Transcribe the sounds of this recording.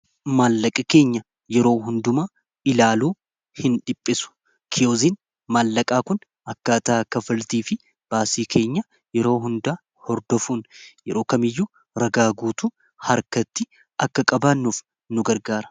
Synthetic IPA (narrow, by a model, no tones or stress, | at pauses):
maːlːɐkʼɪke̞ːɲːɐ | jɛɾo̞ːɦʊnd̪ʊmaː | ɪlaːluː | hɪnᶑɪpʼːɪsʊ̥ | kʰɪjoːziːn | maːlːɐkʼaːkʊn | ɐkːaːt̪aːkːɐfɐlt̪iːfɪ | b̥aːsiːkʰe̞ːɲːɐ | jɛɾo̞ːɦʊnd̪aː | hɔɾd̪ɔfuːnjɛɾo̞ːkɐmɪjːuː | ɾɐɡaːɡuːt̪u | hɐɾkɐt̪ːɪ | ɐkːɐkʼɐbaːnːuːf | nʊɡɐɾɡaːɾɐ̥